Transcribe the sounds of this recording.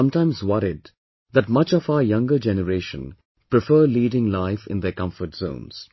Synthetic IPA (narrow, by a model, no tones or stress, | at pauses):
ʌ̃mʈãɪ̃mzwʌɾɪd̚ | d̪æʈmʌt͡ʃɔfaʊəjʌ̃ŋɡəd͡ʒɛnəɾeːʃə̰̃n | pɾɪfəːliːɖɪ̃ŋlaɪfɪ̰̃nd̪əkʌ̃ɱfəɾʈz̥õ̰ʊ̃nz̥